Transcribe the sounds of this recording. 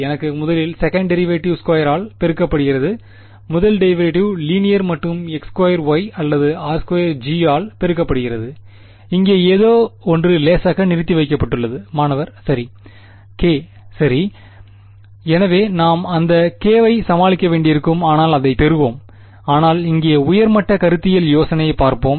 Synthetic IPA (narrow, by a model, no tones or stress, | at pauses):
ɛnɐkːɯmʊðɐlɪlsɛkɐɳɖɛɾɪʋeːʈːɪʋskɐːjɐɾaːlpɛɾɯkːɐpːɐɽɯɣɪɾɐðɯ | mʊðɐlɖɐɪʋɐeʈɪʋliːnɪjɐɾmɐʈːɯmɛkskʋɐjɐɾʋɐɪɐlːɐðɯaːɾskwɐjɐɾd͡ʒiaːlpɛɾɯkːɐpːɐɽɯɣɪɾɐðɯ | ɪŋɡeːeːðoːɔndrɯleːsaːɣɐnɪɾɯt̪ːiʋɐɪkːɐpːɐʈːɯɭːɐðɯmaːnɐʋɐɾsɐɾi | keː | sɐɾi | ɛnɐʋeːnaːmɐnd̪ɐkeːʋɐɪsɐmaːɭɪkːɐʋeːɳɖɪjɪɾɯkːɯmaːnaːlɐðɐɪpɛɾɯʋoːm | aːnaːlɪŋɡeːɐʊjɐɾmɐʈːɐkɐɾɯt̪ːɪjɐljoːsɐnɐjɐɪpaːɾpoːm